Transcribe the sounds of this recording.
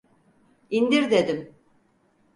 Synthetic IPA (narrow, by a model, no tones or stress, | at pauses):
ind̪iɾd̪ed̪im